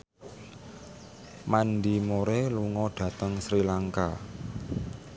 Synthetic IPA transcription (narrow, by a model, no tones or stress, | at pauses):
manɖimoɾeluŋɔɖ̥ä̤t̪əŋsɾilaŋka̰